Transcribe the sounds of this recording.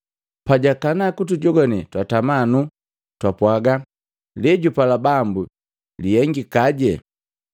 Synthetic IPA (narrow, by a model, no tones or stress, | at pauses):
paɟakanakut̬uɟɔɡɔnitwatamanu | twapwaɡa | lɛɟupalabambu | lijɛŋɡikaɟɛ